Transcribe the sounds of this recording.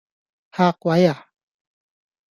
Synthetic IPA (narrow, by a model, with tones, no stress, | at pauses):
ha˦kwa˨˦ja˨